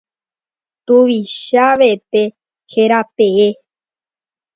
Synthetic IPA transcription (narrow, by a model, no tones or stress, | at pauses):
t̪uʋiʃaʋet̪e | heɾat̪ee